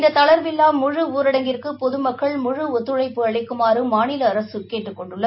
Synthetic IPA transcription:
nd̪ɐt̪ɐɭɐɾʋɪlːaːmʊɻɯuːɾɐɽɐŋɡɪrkɯpɔðɯmɐkːɐɭmʊɻɯɔt̪ːɯɻɐɪpːɯɐɭɐɪkːɯmaːɾɯmaːnɪlɐːɾɐsɯkeːʈːɯkːɔɳɖɯɭːɐ

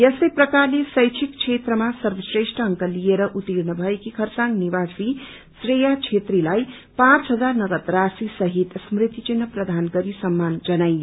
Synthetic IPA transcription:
jʌsʌjprʌkarlesʌjt͡ʃʰikt͡ʃʰet̪rʌmasʌrbʌsresʈʌɦːŋkʌlijeɾʌʔut̪iɾnʌbʱʌekikʰʌrsaŋnibasi | srejat͡ʃʰet̪rilaj | pãt͡sɦʌd͡zarnʌɡʌt̪rasisʌɦit̪smrit̪it͡ʃinːʌprʌd̪ʱanɡʌɾisʌmːand͡zʌnaj

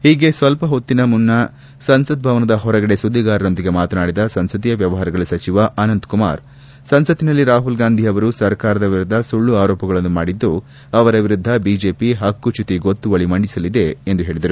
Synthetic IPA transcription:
hiːɡe̞sʋɐlpɐɦot̪ːinɐmunːɐ | sɐnsɐt̪̚bʱɐʋɐnɐd̪ɐɦɔɾɐɡɐɽe̞sud̪ʱːiɡaːɾɐɾo̞nd̪iɡe̞maːt̪ɐnaːɽid̪ɐsɐnsɐt̪ijɐʋjɐʋɐɦaːɾɐɡɐɭusɐt͡ʃiʋɐʔɐnɐnt̪kuma̰ːɾ | sɐnsɐt̪inɐlːiɾaːɦulɡaːnd̪ʱiɐʋɐɾusɐɾkaːɾɐd̪ɐʋiɾud̪ʱːɐsuɭːuaːɾoːpɐɡɐɭɐnːumaːɽid̪ːu | ɐʋɐɾɐʋiɾud̪ʱːɐbiːd͡ʒe̞ːpiɦɐkːut͡ʃut̪iɡot̪ːuʋɐɭimɐɳɖisɐlid̪e̞ːnd̪uɦeːɭid̪ɐɾu

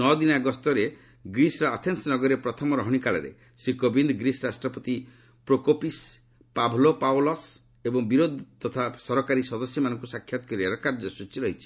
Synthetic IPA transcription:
nɔd̪inaɡɔst̪ɔɾe | ɡɾisɾɔat̪ʰensnɔɡɔɾepɾɔt̪ʰɔmɔɾɔɦɔɽ̃ikaɭɔɾḛ | sɾikobind̪ɡɾisɾasʈɾɔpɔt̪i | pɾokopis | pabʱlopawlɔs | ebɔŋbiɾod̪ʱt̪ɔt̪ʰasɔɾɔkaɾisɔd̪ɔsjɔmanɔŋkusakʰjat̪ɔ̥kɔɾiaɾɔkaɾd͡ʒɔsut͡ʃiɾɔɦit͡ʃʰi̥

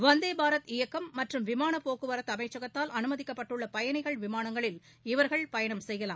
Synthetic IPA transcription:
ʋɐnd̪eːbaːɾɐt̪ɪjɐkːɐmːɐʈrɯmʋɪmaːnɐpːoːkɯʋɐɾɐt̪ɐmɐɪt͡ʃːɐɣɐt̪ːaːlɐnɯmɐðɪkːɐpːɐʈːɯɭːɐpɐjɐnɐɪɣɐɭʋɪmaːnɐŋɡɐɭɪl | ɪʋɐɾɣɐɭpɐjɐɳɐmsɛjɣɐla̰ːmm

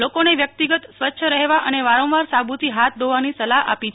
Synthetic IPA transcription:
lokoneʋjək̚t̪iɡət̪sʋətːʃʰəɾəɦeʋaʔəneʋaɾõʋaɾsabut̪iɦat̪̚ʰd̪oʋanisəlaɦa̰pit͡ʃʰ

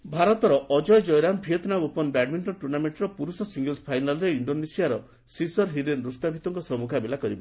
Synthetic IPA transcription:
bʱaɾɔt̪ɔɾɔʔɔd͡ʒɔjd͡ʒɔjɾambʱijɔt̪nabupɔnbɛɖmeɳʈɔʈuɾnameɳʈɾɔpuɾusɔsiŋɡelspʰajnalɔɾeiɳɖonesijaɾɔ | sisɔɾɦiɾenɾust̪abʱit̪ɔŋkɔsɔmukʰabelakɔɾibɔ

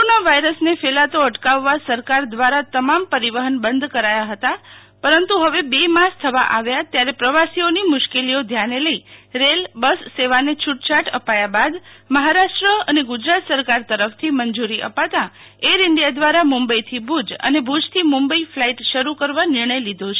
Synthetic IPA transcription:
koɾonaʋajɾəsnefelat̪oəʈkaʋːasəɾkaɾd̪ʋaɾat̪əmampəɾiʋəɦənbənd̪ʱkəɾajaɦət̪a | pəɾənt̪uɦəʋebemast̪ʰəʋa̰ʔaʋjat̪jaɾepɾəʋasionimʊʃkeliod̪ʱjaneləiɾelbəsːeʋanet͡ʃʰuʈt͡ʃaʈə̰pajabad̪məɦaɾaʃʈɾəəneɡʊd͡ʒɾat̪səɾkaɾt̪əɾəft̪ʰimənd͡ʒuɾiʔə̰pat̪a | eɾɪɳɖijad̪ʋaɾamumbəit̪ʰibʱud͡ʒə̰nebʱud͡ʒt̪ʰimumbəiflaiʈʃəɾukəɾʋanɪɾɳəjlid̪ʱot͡ʃʰe

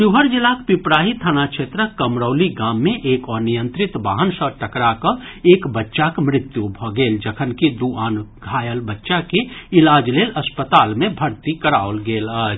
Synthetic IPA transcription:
ʃuɦəɾd͡ʒɪlakpɪpɾaːɦit̪ʰənakʃʰeːt̪ɾəkəmɾəːliɡaːmːẽʔeːkɔːnijə̃nt̪ɾɪt̪baːɦənsəʈəkɾakəeːkbətːʃakmɾɪt̪jubʱɔɡeːld͡ʒəkʰənkid̪uaːnɡʱaːjəlbətːʃakeɪlaːd͡ʒleːlɐspət̪aːlmẽbʱəɾt̪ikəɾaːolɡeːləː

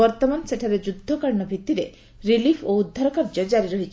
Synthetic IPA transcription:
ɔɾt̪ɔmanseʈʰaɾed͡ʒud̪ʱːɔkaɾɳɔbʱit̪ːiɾe | ɾilipʰoud̪ʱːaɾɔkaɾd͡ʒɔd͡ʒaɾiɾɔɦit͡ʃʰ

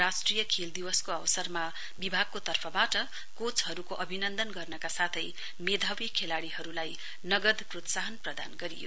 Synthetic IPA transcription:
rasʈrijʌkʰeld̪iwʌskoʌwsʌrma | bibʱaɡ̚kot̪ʌrpʰʌbaʈʌ | kot͡shʌɾukoʔʌbʱinʌnd̪ʌnɡʌrnʌkasat̪ʰʌj | med̪ʱawjʌkʰelaɽihʌɾulaj | nʌɡʌd̪prot̪saɦʌnprʌd̪a̰nɡʌɾḭjo̰

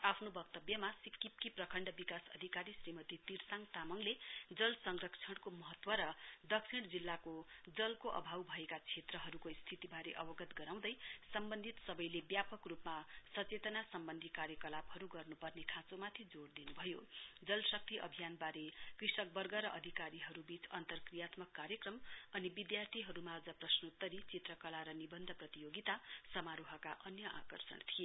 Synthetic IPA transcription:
apʰnobʌk̚t̪ʌbjʌmasikːip̚kiprʌkʰʌɳɖʌbikasʌd̪ʱikaɾisrimʌt̪it̪irsaŋt̪amʌŋled͡zʌlsʌŋrʌkt͡sʰʌɽkomʌɦʌt̪wʌɾʌd̪ʌksʰiɽd͡zilːakod͡zʌlkoʔʌ̰bʱawbʱʌekat͡sʰet̪rʌɦʌɾukost̪ʰit̪ibaɾeʔʌbʌɡʌt̪ɡʌɾaw̃d̪ʌjsʌmbʌnd̪ʱit̪sʌbʌjlebjapʌkrupmasʌt͡set̪ʌnasʌmbʌnd̪ʱikaɾjʌkʌlabhʌɾuɡʌrnupʌrnekʰãt͡somat̪ʰid͡zoɽd̪inubʱʌjod͡zʌlsʌk̚t̪iʔʌ̰bʱijanbaɾekrisʌk̚bʌrɡʌɾʌʔʌd̪ʱikaɾiɦʌɾubit͡sʌnt̪ʌrkrijat̪mʌkːaɾjʌkrʌmʌnibid̪jart̪ʰiɦʌɾumad͡zʌprʌsnot̪ːʌɾit͡sit̪rʌkʌlaɾʌnibʌnd̪ʱʌprʌt̪ijoɡit̪asʌmaɾoɦʌkaʔʌnjʌʔa̰kʌ̰rsʌ̰ɳt̪ʰie

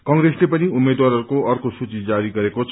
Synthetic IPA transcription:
kʌŋɡreslepʌniumed̪waɾʌɾukoʌrkosut͡sid͡zaɾiɡʌɾekot͡sʰ

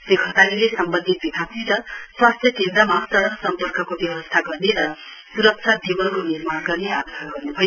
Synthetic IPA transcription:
sikʰʌt̪alilesʌmbʌnd̪ʱit̪̚bibʱaksʰiɾʌswast̪ʰjʌkend̪ɾʌmasʌɾʌksʌmpʌrkʌkobjʌwʌst̪ʰaɡʌrneɾʌsuɾʌk̚t͡ʃʰad̪ʱibʌlkonirmarɡʌrnead̪ʌsaɡʌrnupʰʌj

